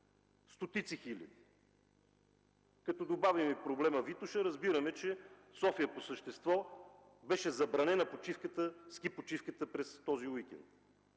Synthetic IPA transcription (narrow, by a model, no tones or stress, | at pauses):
st̪ot̪it̪sixilʲɐ̰d̪i | kɐt̪ɔd̪obavimɛpɾoblɛməvit̪ʊʃəɾəzbiɾəmɛt͡ʃɛsɔfiəposəʃt̪ɛst̪vɔ | bɛʃɛzɐbɾɐnɛnɐpot͡ʃifkət̪əskipot͡ʃifkət̪əpɾɛst̪ɔziwikʲɛ̰nt̪̚